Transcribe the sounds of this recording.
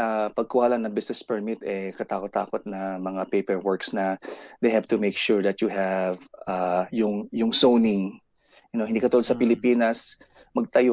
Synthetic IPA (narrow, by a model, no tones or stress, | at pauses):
ʔapɐɡ̚kʊhaːlɐnɐŋbɪsnɛspɛɹmɪt̪ɛkɐt̪aːkot̪ːa̰ːkot̪̚nɐmɐŋapejpɛɹwɔɹksnɐd̪ejhɛvt̪ʊmejkʃuɹðɐt̪jʊɦɛvajʊŋjʊŋsownɪŋ | ɐnohɪnd̪iːkɐt̪ulod̪sɐpɪlɪpiːnɐs | mɐɡ̚t̪ɐjo